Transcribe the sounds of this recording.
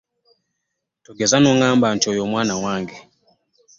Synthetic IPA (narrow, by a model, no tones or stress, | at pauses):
tuɡɛzanɔŋamban̩tɔjɔmwanawaŋɡɛ